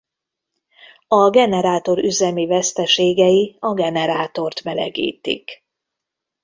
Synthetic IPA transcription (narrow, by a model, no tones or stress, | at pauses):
ɒɡɛnɛɾaːt̪o̞ɾyzɛmivɛst̪ɛʃeːɡɛjiɒɡɛnɛɾaːt̪o̞rt̪mɛlɛ̰ɡḭːt̪ḭk